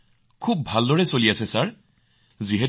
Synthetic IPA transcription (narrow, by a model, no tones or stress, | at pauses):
kʰubːʱaldɔɹɛsoliasɛsaɹ | ziɦɛ